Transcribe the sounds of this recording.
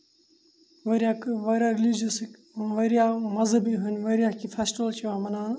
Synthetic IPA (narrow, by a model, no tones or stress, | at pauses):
ʋɐɾjakʋɐɾaɾilid͡ʒusk | ʋɐɾijamɐzəbiɦunʋɐɾjakifʰesʈʋəlt͡ʃiʋamɐnaːn